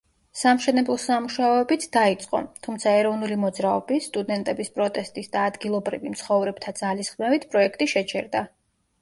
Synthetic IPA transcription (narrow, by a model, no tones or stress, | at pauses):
samʃɛnɛblˠɔsamuʃaɔɛbit̪ʰd̪̥ait̪sʼqʼɔ̰t̪ʰumt̪sʰaɛɾɔvnulimɔd̪zɾaɔbist̪ʼud̪ɛnt̪ʼɛbispʼɾɔt̪ʼɛst̪ʼisd̪aːd̪ɡilˠɔbɾḭvimt̪sʰχɔvɾɛb̚t̪ʰad̪zalisχmɛvit̪ʰpʼɾɔɛkʰt̪ʼiʃɛt͡ʃʰɛɾd̪a